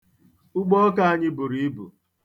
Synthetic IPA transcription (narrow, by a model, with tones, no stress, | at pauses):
ʊ˦ɡ͡bɔ˦ka˦a˦ɲɪ˦bʊ˨ɾi˦i˦bṵ˨